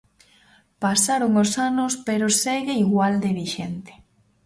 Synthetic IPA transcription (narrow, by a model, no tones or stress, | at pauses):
pasaɾoŋosanospeɾoseɣeiɣwald̪eβiʃent̪e̥